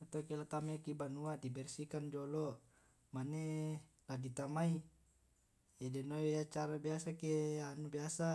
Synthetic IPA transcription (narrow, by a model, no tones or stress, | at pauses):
ut̪akɛlat̪amɛkibanuadibɛrsikand͡ʒɔlɔ | mane | laɡit̪amai | ɛdɛnojat͡ʃaɾabiasakeanubiasa